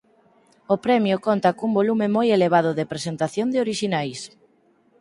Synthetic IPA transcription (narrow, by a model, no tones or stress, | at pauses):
ʊpɾɛmjʊkont̪akumbolumɪmojeleβað̞ʊðepɾesent̪aθjond̪ɪoɾiʃinajs